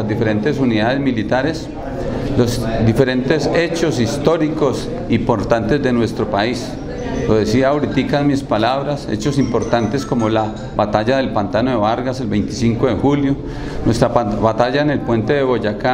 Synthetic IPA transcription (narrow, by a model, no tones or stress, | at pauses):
zd̪ife̞ɾe̞nt̪e̞suniðaðe̞zmilit̪aɾe̞s | lo̞zd̪ife̞ɾe̞nt̪e̞se̞t͡ʃo̞sist̪o̞ɾikos | impo̞ɾt̪ant̪e̞zd̪e̞nwe̞st̪ɾopais | loðe̞siawɾit̪ikazmispalaβɾasḛt͡ʃo̞simpo̞ɾt̪ant̪e̞sko̞mo̞la | βat̪aʝaðe̞lpant̪anoðe̞βaɾɣase̞lbe̞jnt̪i̥siŋko̞ðe̞xuljo̞ | nwe̞st̪ɾaβat̪aʝaene̞lpwe̞nt̪eðe̞βo̞ʝaka